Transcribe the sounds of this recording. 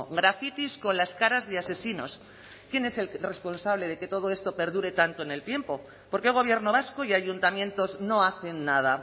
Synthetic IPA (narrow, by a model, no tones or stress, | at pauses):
ɡɾafit̪isko̞nlaskaɾazðease̞sino̞̰s | kje̞ne̞selre̞spo̞nsaβleð̞e̞ke̞t̪o̞ð̞oe̞st̪o̞pe̞ɾðuɾe̞t̪ant̪oene̞lt̪je̞mpo̞ | po̞ɾkeɣ̞o̞β̞je̞ɾnoβ̞askoiaʝunt̪amjẽ̞nt̪o̞zno̞aθe̞nːað̞a